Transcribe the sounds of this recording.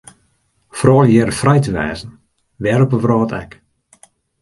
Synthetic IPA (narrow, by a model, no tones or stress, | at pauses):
frɔːljɛːɾəfrɛjtəʋɛ̰ːzən̩ | ʋɛɾəpəvrɔːtʰɛ̰k